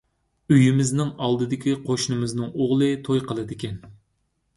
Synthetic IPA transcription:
yjimɪznɪŋɑlˠd̪ɨd̪ɪkʲiqʰoʃnɨmɪznɨŋoʁlˠɨt̪ʰojqəlˠɨd̪ɪkʲʰɛn

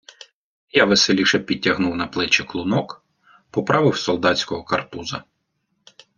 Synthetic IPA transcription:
jɑʋeselʲiʃɛpʲid̚ʲɐɦnuwnɐplˠɪt͡ʃɪklˠʊnɔk | pɔpɾɑʋɪwsɔlˠd̪ɑt͡sʲkɔɦɔkɐrpuzɐ

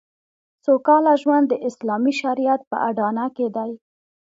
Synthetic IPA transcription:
sokɑlaʒwand̪ːəʔɪslɑmiʃaɾijat̪̚pə̰ʔaɖɑnaked̪aj

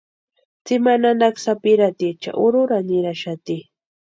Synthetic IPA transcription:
t͡sɪmananaksapɪɾat̪it͡ʃa̰ʔʊɾʊɾanɪɾaʃat̪i

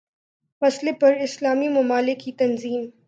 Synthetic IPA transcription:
fɐslepɐɾɪslaːmimɐmaːlɪkːit̪ɐnziːm

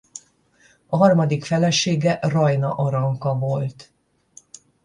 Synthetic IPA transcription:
ɒɦɒrmɒd̪ikfɛlɛʃeːɡɛʔrɒjnɒʔɒɾɒŋkɒvo̞lt̪

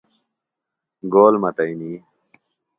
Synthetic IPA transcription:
ɡoːlmɐt̪ɐiniː

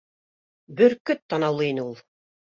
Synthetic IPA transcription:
bɵɾkɵt̪ːɑnɑwlˠɤinɘulˠ

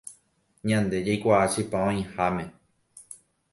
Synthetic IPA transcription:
ɲãnd̪e̞d͡ʒajkʷaʔaʃipãõĩhamẽ

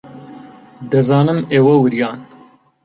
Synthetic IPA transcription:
d̪ɐzɑːnɨmeːwɐwɨɾjɑːn

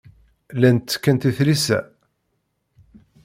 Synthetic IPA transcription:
lænt̪ːkːænt̪iθlisæ̰

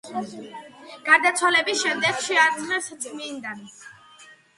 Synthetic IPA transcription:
ɡ̥aɾd̪at̪sʰwalɛbisʃɛmd̪ɛkʃɛaɾχɛɾst̪sʼmind̪an

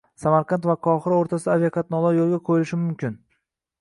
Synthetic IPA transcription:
samaɾqant̪vaqʰɒχɨɾaoɾt̪ʰasɪd̪avjakʰat̪nɒlˠaɾjolˠɡʲakʰojɪlɪʃɪmʊmkʲʰɪn

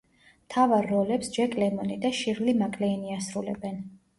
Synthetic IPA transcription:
mt̪ʰavaɾːɔlɛpsd͡ʒɛɾkʼlɛmɔnid̪aʃiɾlimakʼlɛːniasɾulɛ̰bɛn

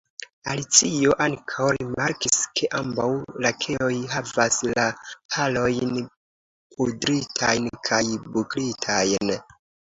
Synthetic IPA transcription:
alit͡sio̞ʔaŋkʰawɾimaɾkiskʰe̞ʔambawlakʰe̞o̞jɦavaslahʰalo̞jn | pʰodɾitʰajnkʰajbuklitʰajn

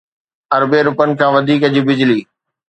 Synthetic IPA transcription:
ɐɾbeɾʊpənɪ̆kʰãːʋɐd̪ʱiːkɐd͡ʑibɪd͡ʑliː

